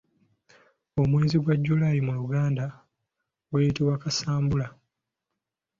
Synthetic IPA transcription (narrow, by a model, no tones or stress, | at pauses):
o̞mwe̞ːziɡwaɟːulajimuluɡaːnda | ɡwejitiwakasaːmbula